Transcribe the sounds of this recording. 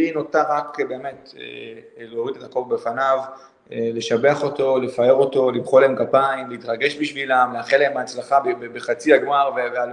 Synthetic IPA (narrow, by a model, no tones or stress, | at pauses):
inotaʁakebe̞ːme̞tḛloːhidetakofbe̞fanav | ele̞ʃabe̞aχo̞to̞le̞faeʁo̞to̞libχo̞laemkapaimleitʁaɡe̞ʃbiʃvilamleaχelaemaat͡slaχabebebeχat͡siaɡmaʁveveal